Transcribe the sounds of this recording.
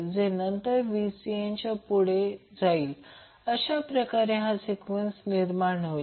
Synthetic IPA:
d͡zenənt̪əɾʋisiẽɲt͡ɕapuɽ̤ed͡zaiːl | əɕapɾəkaɾeɦãsikʋensniɾmaɳɦo

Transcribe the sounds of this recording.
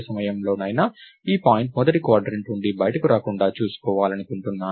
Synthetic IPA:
sɐmɐjɐmlo̞ːnɐːjnɐiːpaːjiɳʈmɔd̪ɐʈikʋaːɖɾɐɳʈuɳɖibɐjɐʈɐkuɾaːkuɳɖaːt͡ʃuːsu̥kɔːʋaːlɐnikuɳʈunːaː

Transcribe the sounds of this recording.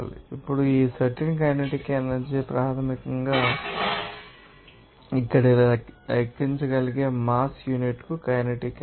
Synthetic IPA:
lḭipːuɽuiːsɐʈink̬ɐjnɐʈikaːnɐd͡ʒipɾaːt̪ʰɐmikɐŋɡaː | ikːɐɽɐɐkt̪ːiɲt͡ʃɐɡɐliɡeːmaːsjuniʈkukɐjnɐʈikː

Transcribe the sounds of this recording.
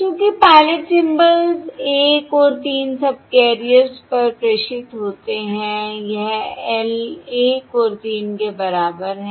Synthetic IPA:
kjõːkipaːlɪʈsɪ̃mbəlzeːkoːɾt̪iːnsɐb̚keːɾijəɾzpɐɾpɾeːʃɪt̪ɦoːt̪eɦɛ̃jɛɦɛleːkoːɾt̪iːnkebɐɾaːbəɾɦɛ̃

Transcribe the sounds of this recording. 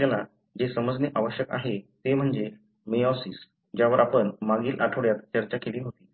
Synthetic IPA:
ala | d͡ʑesəməd͡zneʔaʋəɕjəka̰ɦet̪em̤əɳd͡ze | meɔsis | d͡ʑjaʋəɾapəɳmaɡiːlʔaʈʰəʋɭjat̪t͡ɕəɾt͡ɕakeliːɦot̪iː

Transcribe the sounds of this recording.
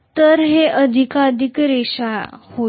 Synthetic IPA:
t̪əɾɦeʔəd̪ʱikad̪ʱikɾeɕaho

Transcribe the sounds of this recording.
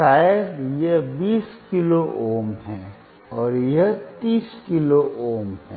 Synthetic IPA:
aːeɾjebiːskɪloʔoːmɦɛ̃ː | ɔːɾjet̪iːskɪloʔoːmɦɛ̃

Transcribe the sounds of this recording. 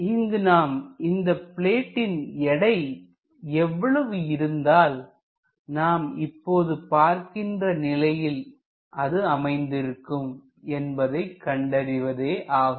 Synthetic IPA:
ɪŋɡɯnaːmɪnd̪ɐpɪɭeːʈːɪnɛɽɐɪ | ɛʋːɐɭɐʋɯɪɾɯnd̪aːl | naːmɪpːoːðɯpaːɾkɪndrɐnɪlɐjɪl | ʔɐðɯɐmɐɪnd̪ɪɾɯkːɯm | ɛnbɐðɐɪkːɐɳɖɐɾɪʋɐðeːʔaːɣ

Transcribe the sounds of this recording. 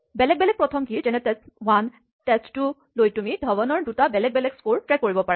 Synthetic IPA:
bɛlɛk̚bɛlɛk̚pɹɔtʰɔmkiid͡ʒɛnɛtɛwan | tɛstu | lojtumidʱɔbɔnɔɹdutabɛlɛk̚bɛlɛkskuɹtɹɛkːoɹibɔpaɹɛ

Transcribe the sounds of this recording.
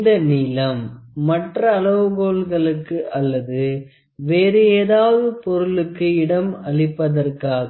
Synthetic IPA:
d̪ɐnɪlɐmːɐʈrɐːɭɐʋɯɣoːɭɣɐɭɯkːɯʔɐlːɐðɯ | ʋeːɾɯeːðaːʋɐðɯpɔɾɯɭɯkːɯɪɽɐmɐɭɪpːɐðɐrkaːɣɐ

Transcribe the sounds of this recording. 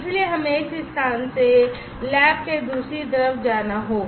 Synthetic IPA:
ɪslieɦɐmeɪsɪst̪ʰaːnse | lɛːb̚ked̪ɾʊsit̪̬ɐɾəfd͡ʒaːnaɦoː

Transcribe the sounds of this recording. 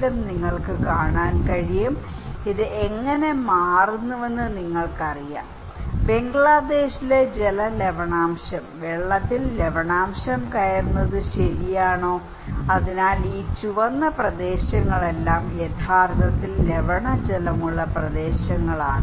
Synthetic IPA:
lumniŋːɐɭkɨkaːɳaːnkɐɻijum | iðɨʔeŋːɐne̞maːrunːuʋe̞nːɨniŋːɐɭkɐrija̰ːm | be̞ŋɡɭad̪e̞ːɕile̞d͡ʑelɐle̞ʋɐɳaːmɕɐmʋeɭːɐt̪ːille̞ʋɐɳaːmɕɐmkɐjɐɾunːɐðɨɕɐɾijaːɳo̞ː | ɐðinaːliːt͡ɕuʋɐnːɐprɐd̪e̞ːɕɐŋːɐɭe̞lːaːmjet̪ʰaːrt̪ɐt̪ːille̞ʋɐɳɐd͡ʑelɐmuɭːɐprɐd̪e̞ːɕɐŋːɐɭa̰ːɳɨ

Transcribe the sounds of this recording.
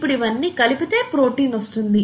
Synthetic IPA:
pːuɽiʋɐnːiːkɐlipit̪e̞ːpɾo̞ːʈiːnost̪und̪i

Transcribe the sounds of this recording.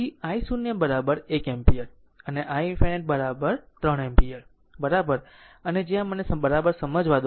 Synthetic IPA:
iaisunjəbəɾabəɾekempijəɾ | əneʔajfʰeneʈ̚bəɾabəɾt̪ɾəɳempijəɾ | bəɾabəɾ | əned͡ʒjãmənesbəɾabəɾsəməd͡ʒʋad̪o

